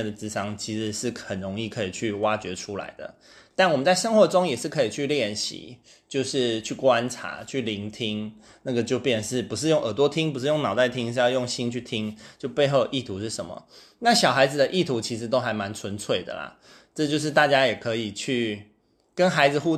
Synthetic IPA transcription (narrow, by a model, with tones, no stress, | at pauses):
nd̪ə˩t͡sɹ̩˥ʂɑ˥ŋt͡ɕʰi˧˥ʂɻ̩˧˥ʂɻ̩˥˩xə˨˩nɻo˧˥ŋi˥˩kʰɤ˧˥i˨˩t͡ɕʰy˥˩wa˥t͡ɕɥɛ˧˥ʈ͡ʂʰu˥la̰˧˥ɪd̪ə̰˨ | t̪a˥˩nwɔ˨˩mə˦nt͡sa˥˩ɪʂɤ˥ŋxwɔ˧˥ʈ͡ʂʊ˥ŋjɛ˨˩ʂɻ̩˥˩kʰɤ˧˥i˨˩t͡ɕʰy˥˧ljɛ˥˩nɕḭ˨˩˦ | t͡ɕjo˥˧ʊʂɻ̩˥˧t͡ɕʰy˥˩kwa˦nʈ͡ʂʰa̰˧˥˦t͡ɕʰy˥˩li˧˥ŋt̪ʰi˥ŋ | na˥˩ɡə˩t͡ɕjo˥˧pjɛ˥˩nə˩ʂɻ̩˥˩pu˧˥ʂ̬ɻ̩˥˧jo˥˩ŋʔə˨˩t̪wɔ˦˥t̪ʰi˥ŋpu˧˥ʂɻ̩˥˧jo˥˩ŋnɑ˨˩ʊt̪a˥˩ɪt̪ʰi˦˥ŋʂ̬̩˥˧jjo˥˩ŋɕi˥nt͡ɕʰy˥˩t̪ʰi˥ŋt͡ɕjo˥˧ʊpe˥˧ɪxo˥˧ʔi˥˩t̪ʰu˧˥ʂɻ̩˥˩ʂə˧˦nmə̰˩ | na˥˩ɕɑ˨˩ʊxa˧˥ɪd͡z̩˨d̪ə˧ʔi˥˩t̪ʰu˧˥t͡ɕʰi˧˥ʂ̬ɻ̩˧˥t̪o˥ʊxa˧˥ɪma˧˥nt͡sʰwə˧˥nt͡sʰwe˥˩ɪd̪ə̰˩lɐ̰˩ | ʈ͡ʂɤ˥˧t͡ɕjo˥˧ʊʂ̬ɻ̩˥˧t̪a˥˩t͡ɕja˥jɛ˨˩kʰɤ˧˦i˨˩t͡ɕʰy˥˩ | kə˦˥nxa˧˥ɪd͡zɹ̩˨xu˥˧